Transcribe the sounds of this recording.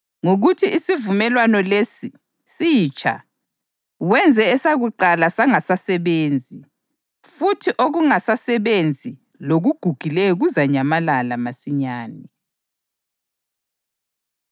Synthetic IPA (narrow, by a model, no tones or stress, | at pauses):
ŋoɣutʰiʔisivumɛlwanɔlesi | sit͡ʃʰʼa̰ | wɛnd͡zʱɛːsaɣuǃalasaŋasasɛβeːnd͡zʱi | futʰiʔoɣuŋasasɛβend͡zʱi | loɣuɡ̥ʱuɡ̥ʱilɛɔɣuzaɲamalalamasiɲaːnɛ